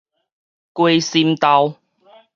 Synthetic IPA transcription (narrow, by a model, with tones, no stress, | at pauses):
kwe˧jsi˧mt̪a˧w